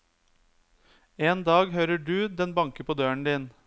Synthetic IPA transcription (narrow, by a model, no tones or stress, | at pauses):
eːnd̪ɑːɡɦøːɾəɖʉːd̪ɛnbɑŋkəpʰoːd̪øːəɳ̩d̪iːn